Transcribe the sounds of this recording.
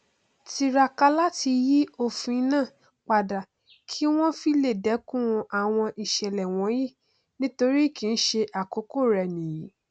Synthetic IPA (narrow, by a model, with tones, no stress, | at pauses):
ti˧ɾa˧ka˧˦la˦ti˧ji˦o˦˨fũ˨˧i˧˦nãː˦˨ | k͡pa˨da˨ | kʰi˦w̃ɔ̃˦fi˦le˦˨dɛ˨˦kũ˦ũ˧ʔa˨w̃ɔ̃˧ʔi˨ʃɛ˨lɛ˨w̃ɔ̃˨˦ji˦˨ | nĩ˦to˧ɾi˦˨kĩ˨˧˦n̩˦ʃe˧ʔa˨ko˨˦ko˦˨ɾɛ˧˨nĩ˨ji˨˦